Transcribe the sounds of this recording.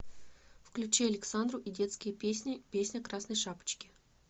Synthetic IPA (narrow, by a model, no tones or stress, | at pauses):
fklʲʉt͡ɕeɐlʲɪksand̪rʊʔidʲe̞t̪skʲɪjənʲɪpʲesʲnʲəkɾasnəjʂapə̥t͡ɕkʲɪ̥